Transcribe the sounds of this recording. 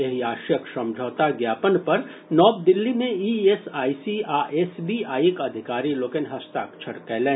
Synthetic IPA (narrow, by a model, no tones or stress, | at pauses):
eɦiaːʃjəksə̃md͡ʒʱɔːt̪aɡjaːpənpɐɾ | nɔːb̚d̪ɪlːimẽiːeːsaːisiaːʔeːsbiaːiekɐd̪ʱɪkaːɾiloːkenɦɐst̪a̰ːk̚t͡ʃʰɐɽkɛːlẽː